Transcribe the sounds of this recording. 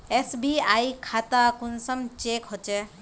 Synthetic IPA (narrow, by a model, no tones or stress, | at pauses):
esbiajkʰat̪akunsəmt͡ʃekɦot͡ʃe